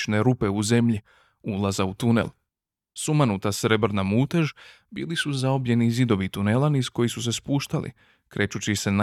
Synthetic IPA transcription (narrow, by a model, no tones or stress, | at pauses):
ne̞ɾupe̞uze̞mʎi | ulˠazaut̪unḛl | sumanut̪asɾebɾnamuːt̪eʒ | bḭːlisuzaobʎe̞nizid̪o̞ʋit̪unelaniz̥ko̞jisus̬e̞spuːʃt̪alʔḭ | kɾʔe̞ːt͡ʃut͡ɕise̞na